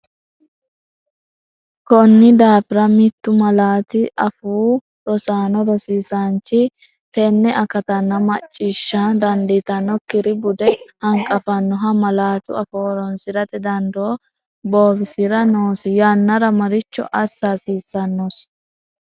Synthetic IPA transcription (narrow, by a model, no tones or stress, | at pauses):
kɔnːɪd̪aːfɪɾɐmɪt̪ːʊmɐlaːt̪ɪʔɐfuː | ɾɔsaːnɔɾɔsiːsant͡ʃːɪ | t̪ɛnːɛʔɐkɐt̪ɐnːɐmɐt͡ʃʼːiːʃːad̪ɐnd̪ɪt̪ɐnːɔkɪɾɪbʊd̪ɛhɐŋkʼɐfɐnːɔɦɐmɐlaːt̪ʊ̰ɐfoːɾɔnsɪɾɐt̪ɛd̪ɐnd̪oː | bo̞ːbɪsɪɾɐnoːsɪjaːnːɐɾɐmɐɾɪt͡ʃːɔ̰ʔɐsːasiːsːɐnːos